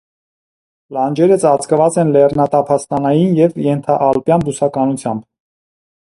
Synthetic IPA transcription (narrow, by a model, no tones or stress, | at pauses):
lɑnd͡ʒɛɾət͡sʰɑt͡skəvɑt͡sɛnlɛrnɑt̪ɑpʰɑst̪ɑnɑjinjɛvjɛnt̪ʰɑʔɑlpjɑnb̪usɑkɑnut͡sʰjɑmb